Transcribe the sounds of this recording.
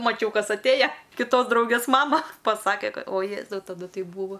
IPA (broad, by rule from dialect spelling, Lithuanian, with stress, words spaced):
mɐˈt͡ʃʲɛʊ ˈkɐs ɐtʲˈeːjɛ kʲɪˈtoːs ˈdrɐʊɡʲeːs ˈmɑːmɐ ˈpɑːsɐkʲɛ ˈkɐt oː ˈjeːzɐʊ tɐˈdʊ ˈtɐɪ ˈbuːʋɐ